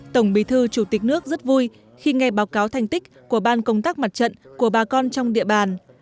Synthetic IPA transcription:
t̪ə˧˩wŋ͡mɓi˨˩t̪ʰɨ˧t͡ɕu˧˩t̪ï˨˩k̟̚nɨ˦˥ək̚zə˦˥t̚vu˧j | xi˧ŋa˧jɓaː˨˦wkaː˨˦wt̪ʰa˧˩jŋ̟t̪ï˦˥k̟̚ku˧˩əɓaː˧nkə˧wŋ͡mt̪aː˦˥k̚ma˨˩t̚t͡ɕə̰˧˨nku˧˩əɓaː˨˩kɔ˧nt͡ɕɔ˧wŋ͡mɗḭ˧˨əɓaː˨˩n

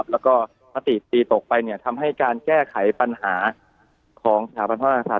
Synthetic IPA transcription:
p̚lɛː˦˥wkɔː˥˩ | maː˦˥t̪i˨˩t̪iː˧t̪o˨˩k̚pa˧jni˥˩ɐt̪ʰa˧mɦa˥˩jkaː˧nkɛː˥˩kʰa˨˩˦jpa˧nhaː˩˦ | kʰɔː˩˦ŋsa˧t̪ʰaː˩˦ba˧npʰa˥a˧a˧saː˨˩

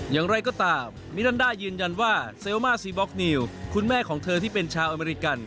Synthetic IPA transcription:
jaː˨˩ŋɾa˧jkɔː˥˩t̪aː˧mːi˦˥ɾaː˥ndaː˥˩jɯː˧nja˧nwaː˥˩se˧wmaː˥˩siː˧˩bɔ˦˥k̚ni˧wkʰu˧nmɛː˥˩kʰɔː˩˦ŋt̪ʰɤː˧t̪ʰiː˥˩pe˧nt͡ɕʰaː˧wʔa˧meː˧ɾi˦˥ka˧n

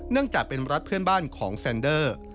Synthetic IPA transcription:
nɯ˥˩əŋt͡ɕaː˨˩k̚pe˧nɾa˦˥t̪̚pʰɯ˥˩ənbaː˥˩nkʰɔː˩˦ŋfɛː˧ndɤː˥˩

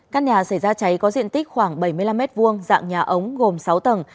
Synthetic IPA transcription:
kaː˦˥k̚ɲaː˨˩sa˧˩jzaː˧t͡ɕa˨˦jkɔ˨˦zḭ˧˨ənt̪i˦˥k̟̚xwaː˧˩ŋɓə˧˩jmɨ˧jla˧mːɛ˦˥t̚vu˧əŋza̰ː˧˨ŋɲaː˨˩ʔə˨˦wŋ͡mɣo˨˩msa˨˦wt̪ə˨˩n

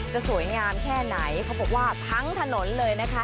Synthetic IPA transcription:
t͡ɕa˨˩su˨˩˦ə˦jŋaː˧mkʰɛː˥˩na˩˦jkʰa˦˥bɔː˨˩k̚waː˥˩t̪ʰa˦˥ŋt̪ʰa˧no˩˦nlɤː˧jna˦˥kʰa˦˥

